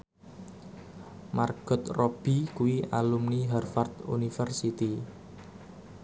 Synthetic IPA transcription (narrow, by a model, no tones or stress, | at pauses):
marɡ̥ɔ̤t̪rɔb̥i̤kuwia̰lumniɦɛrfart̪ṵnifɛrsit̪i